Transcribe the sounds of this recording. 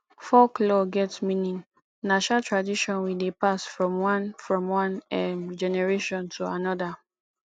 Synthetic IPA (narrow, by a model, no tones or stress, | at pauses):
fɔklɔɡɛtsmĩnĩŋ | naʃnatɹadiʃɔ̃nwidepasfɹɔ̃mwãnfɹɔ̃mwãnɛmd͡ʒɛnɛɹeʃɔ̃ntʰuanɔda